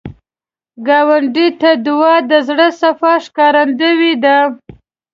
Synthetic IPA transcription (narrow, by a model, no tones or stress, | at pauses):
ɡɑwaɳɖit̪ad̪ʊwɑd̪əzɽəsafɑʂkɑɾand̪əwid̪a